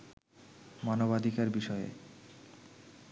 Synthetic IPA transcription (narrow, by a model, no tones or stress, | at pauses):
manobad̪ʱikaɾbiʃɔḛ